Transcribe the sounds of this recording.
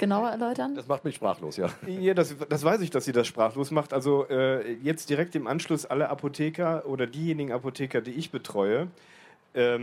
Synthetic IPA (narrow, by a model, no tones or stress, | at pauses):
ɡ̥ənaʊɐɛɐlɔʏtɐndasmaχtmɪçʃpʁ̥a̰ːχlo̰ːsja̰ːjaːdasd̥asv̥aɪsɪçd̥asz̥iːdasʃpʁ̥aːχloːsmaχtʔalzoʔɛːjɛt͡st̚d̥iʁɛk̚tɪmʔanʃlʊsʔalɐʔapʰotʰeːkɐʔoːdɐdiːjeːnɪɡŋ̩apotʰeːkɐdiːɪçb̥ətʁ̥ɔʏə | ʔɛː